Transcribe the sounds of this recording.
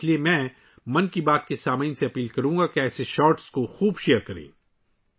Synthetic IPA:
liemɛ̃ː | mɐ̃nkibaːt̪̚kesaːmainseɐpiːlkɐɾũːŋɡakeɛːseʃɔːɾʈskoxuːbʃeːɾkɐɾḛ̃ː

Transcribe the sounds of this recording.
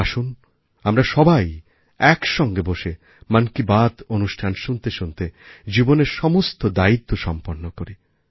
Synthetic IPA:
aʃun | amɾaʃɔbaj | ɛkʃɔŋɡeboʃe | mankibad̪onuʃʈʰanʃunt̪eʃunt̪ed͡ʑiboneɾʃɔmost̪od̪ait̪ːoʃɔmpoɾnːokoɾi

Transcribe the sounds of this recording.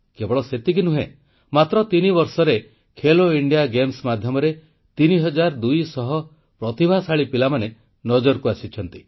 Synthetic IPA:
kebɔɭɔset̪ik̬inuɦẽ | mat̪ɾɔt̪inibɔɾsɔɾe | kʰeloiɳɖijaɡemsmad̪ʱjɔmɔɾe | t̪iniɦɔd͡ʒaɾd̪ujsɔɦɔ | pɾɔt̪ibʱasaɭipilamane | nɔd͡ʒɔɾkuasit͡ʃʰɔnt̪i

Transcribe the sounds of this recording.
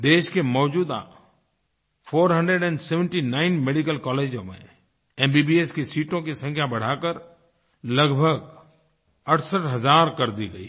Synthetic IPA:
d̪eːʃkemɔːd͡ʒuːd̪a̰ | fʰoːɾɦə̃ɳɖeɖɛ̃ːɳɖseːʋə̃ɳʈinaːɪnmeɖikəlkɔːleːd͡ʒõmḛ̃ | ɛ̃ːmbiːbieskisiːʈõkisə̃ŋkʰjabɐɽ̤aːkəɾ | lɐɡbʱəɡ | ɐʈʰsəʈɦɐzaːɾkɐɾd̪iɡəḭː

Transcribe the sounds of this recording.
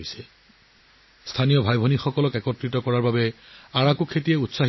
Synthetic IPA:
sɛ̥ | stʰanijɔbʱajbʱɔnixɔkɔlɔkɛkɔtɹitɔkɔɹaɹbabɛaɹakukʰːetijɛutsaɦ

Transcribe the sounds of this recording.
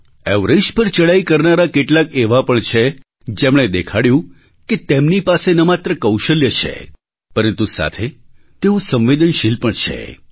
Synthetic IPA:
ɛʋɾeʃpəɾt͡ʃəɽaikəɾnaɾakeʈlakeʋapəɳt͡ʃʰe | d͡ʒemɳ̃ed̪ekʰaɽjũ | ket̪emnipasenəmat̪ɾəkəwʃəljət͡ʃʰḛ | pəɾənt̪usa̰t̪ʰe | t̪eũsə̃mʋed̪ənʃilpəɳt͡ʃʰḛ

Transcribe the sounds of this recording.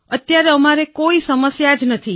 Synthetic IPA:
ət̪ːjaɾeəmaɾekoisəməsjad͡ʒnət̪ʰi

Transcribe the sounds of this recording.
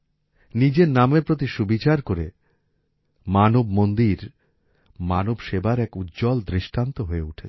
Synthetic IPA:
nid͡ʑeɾnameɾpɾot̪̬iʃubit͡ɕaɾkoɾḛ | manobmond̪iɾ | manobʃebaɾɛkut̪̚ːd͡ʑɔld̪ɾiʃʈant̪oɦoeuʈʰet͡ɕʰ

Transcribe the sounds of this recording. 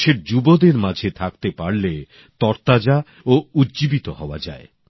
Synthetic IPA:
ʃeɾd͡ʑubod̪eɾmad͡ʑʱet̪ʰak̚t̪epaɾle | t̪ɔɾt̪ad͡ʑa | oudd͡ʑibit̪ohɔoa̰d͡ʑa̰e

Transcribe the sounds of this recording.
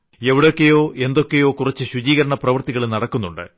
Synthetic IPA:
e̞ʋiɽo̞kːe̞jo̞ːʔe̞nd̪o̞kːe̞jo̞ːkurɐt͡ɕːɨɕud͡ʑiːɣɐɾɐɳɐprɐʋɐrt̪iɣɐɭnɐɽɐkːunːuɳɖɨ̰

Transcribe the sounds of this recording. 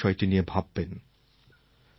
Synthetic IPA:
ɔjʈiniebʱabːen

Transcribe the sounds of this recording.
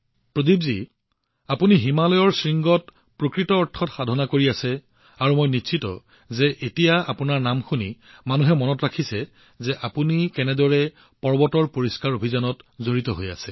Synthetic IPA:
pɹodibzi | apuniɦimalɔjɔɹsɹiŋɡɔt | pɹokɹitɔːɹtʰːɔtxadʱɔnakoɹiasɛ | aɹumojnitʃʰitɔ̰ | zɛʔetijaa̰punaɹnamxuni | manuɦɛmɔnɔtɹakʰisɛ | zɛʔapunikɛnɛdɔɹɛ | pɔɹbɔtɔɹpoɹiskaɹobʱizanɔtzoɹitɔɦoja̰sɛ

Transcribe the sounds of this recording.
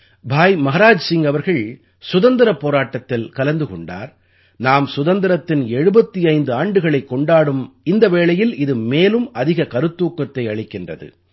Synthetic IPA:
bʱaːjmɐɣɐɾaːd͡ʒsɪŋɡɐʋɐɾɣɐɭ | sʊðɐnd̪ɪɾɐpːoːɾaːʈːɐt̪ːɪlkɐlɐnd̪ɯkɔɳɖa̰ːɾ | naːmsʊðɐnd̪ɪɾɐt̪ːɪnɛɻɯbɐt̪ːiɐɪnd̪ɯaːɳɖɯɣɐɭɐɪkːɔɳɖaːɽɯmɪnd̪ɐʋeːɭɐjɪlɪðɯmeːlɯmɐðɪɣɐkɐɾɯt̪ːuːkːɐt̪ːɐɪɐɻɪkːɪndrɐ̰ðɯ̰

